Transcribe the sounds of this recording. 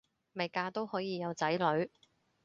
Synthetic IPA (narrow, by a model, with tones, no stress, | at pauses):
me˨˩jkaː˧t̪o˥whɔː˨˥jiː˨˧jɐ˨˧wt͡sɐ˨˥jlɵ˨˥ɥ